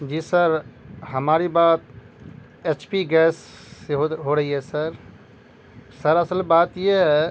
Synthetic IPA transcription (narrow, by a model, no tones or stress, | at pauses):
d͡ʒiːsəɾɦəmaːɾibaːt̪̚ | et͡ʃpiɡɛsː | eɦoɦoɾəɦiɦɛsəɾ | səɾəsəlbat̪jeɦɛ